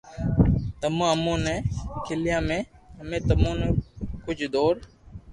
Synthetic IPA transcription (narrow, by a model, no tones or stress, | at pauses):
t̪əmõːɦəmõːnẽːkʰɪlɪjãːmẽːɦəmẽːt̪əmõːnẽːkʊt͡ʃʰd̪oːɾ